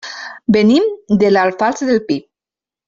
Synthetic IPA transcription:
benimd̪elalfalsəd̪elpip̚

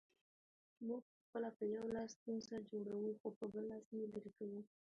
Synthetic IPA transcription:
muɡ̚pəxpəlapəjawlɑst̪unsad͡ʒoɽawuxopəbəlɑsjelaɾikawu

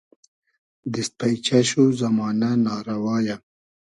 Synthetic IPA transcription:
d̪ist̪̚pajt͡ʃaʃozamɑːnanɑːɾawɑːja

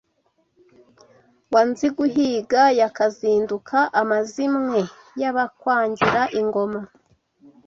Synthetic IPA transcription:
wanziɡuɦiːɡajakaziːndukʰaʔamazimŋe̞ | jaβakwaːɲɟiɾaʔiŋɡo̞ma

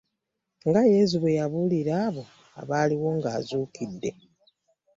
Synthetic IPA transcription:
ŋɡaje̞zuβwe̞jaβuliɾaːβo̞ | a̰βaːliwo̞ŋɡaːzuːkidːe̞̰

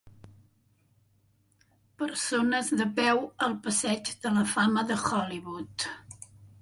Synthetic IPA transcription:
pəɾsonəzðəpɛwəlˠpəsɛd͡ʒðələfaməðəxɔliβut̪

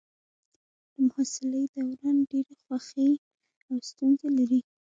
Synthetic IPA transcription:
d̪̥əmʊhasɪləjd̪awɾɑnɖeɾexwaxe | awst̪unzelaɾi

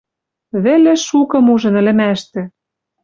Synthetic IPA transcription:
βĕlĕʃukɤ̆muʒɤ̆nɘ̆lɘ̆mæʃt̪ɘ̆

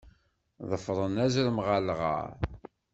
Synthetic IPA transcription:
ðˤəfɾˤənæzɾəmʁalʁə̰ɾ

